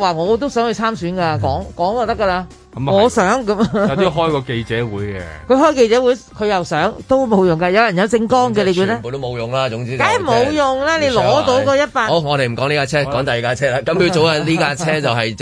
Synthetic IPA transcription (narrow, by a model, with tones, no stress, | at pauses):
waː˨˩ŋɔː˨˧t̪̬o˥wsœː˨˥ŋhɵ˧t͡sʰaː˥msyː˨˥nka˧kɔː˨˥ŋkɔː˨˥ŋjɔ˨˧˩t̪ɐ˥kːɐ˧laː˧˦ | ŋɔ˨˧˨sœː˨˥ŋkɐ˨˦m˨˧˥ɦɔː˥jkɔː˧ke˧jt͡sɛː˨˦wuː˨˥jkɛ˧kʰɵ˨˧ɥhɔː˥jke˧jt͡sɛː˨˥wuː˨˥jkʰɵ˨˧jɐ˨wsœː˨˥ŋt̪o˥wmo˨˧wjʊ˨˩ŋkɐː˧jɐ˨˧wjɐ˨˩njɐ˨˧wt͡sɪ˧ŋkɔː˥ŋkɛ˧le˨˧jkuː˨˧˥n˩ɛː˥˨˧t̪o˥mo˨˧wjʊ˨˩ŋlaː˦˥ʊ˨˥ŋt͡siː˥kaː˨˥jm˨o˨˧wjʊ˨˩ŋlɛː˥ne˨˧jlɔː˧˨˥t̪o˨˥wkɔː˧jɐ˥t̚paː˧o˧˩ŋɔː˨˧d̪e˨jm̩˨˩kɔː˨˥ŋliː˥kaː˧t͡sʰɛː˥kɔː˨˥ŋt̪ɐ˨ji˨kaː˧t͡sʰɛː˥laː˧kɐ˨˥mi˧wt͡so˨˧wa˧liː˥kaː˧t͡sʰɛː˧˥t͡sɐ˨wɦɐ˨j